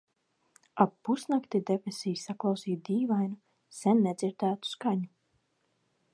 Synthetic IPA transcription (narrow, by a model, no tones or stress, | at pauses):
apːusnakt̪id̪epʲɾesijsaklˠɑwsiːt̪d̪iːvajnu | sɛnːɛd̪zʲiɾd̪æːt̪u̥skaɲu